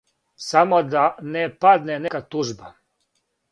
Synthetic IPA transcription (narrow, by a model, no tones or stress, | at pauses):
samod̪anepad̪nenekat̪uʒba